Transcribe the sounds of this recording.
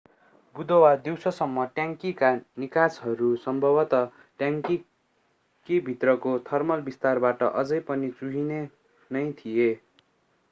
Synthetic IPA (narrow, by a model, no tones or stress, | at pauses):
bud̪ʌwad̪iwsʌsʌmːʌʈjaŋkikanikasɦʌɾusʌmbʱʌbʌt̪ʌ | ʈjaŋki | kibʱit̪rʌkot̪ʰʌrmʌlbist̪arbaʈʌʔʌd͡zʌjpʌnit͡suɦine | nʌjt̪ʰije